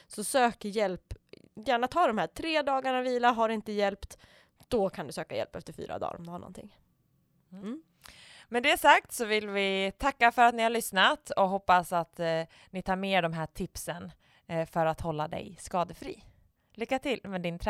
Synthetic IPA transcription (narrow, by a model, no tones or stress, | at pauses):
sɔsøːkəjɛlpjæːɳat̪ʰɑːd̪ɔmhæːʈʰɾeːd̪ɑːɡaɳaviːlaɦaɾɪnt̪əjɛlpt̪ | d̪̥ɔkʰand̪ɵsøːka̰jɛ̰lpɛ̰ft̪əɾfy̰ːɾa̰d̪ɑ̰ːɾɔmd̪ɵhaɳɔ̰nt̪ʰɪ̰ŋ | mɛd̪ɛːʂak̚t̪sɔvɪlvɪt̪ʰakːafœɾat̪nɪhaɾɭʏsnat̪ɔɦɔpːasat̪ | nɪt̪ʰɑːɾmeːɖɔmɦæːʈʰɪpsən | fœɾat̪hɔlːad̪ɛ̰jskɑːd̪əfɾḭː | lʏkːat̪ʰɪlːmɛd̪ɪnt̪ʰɾ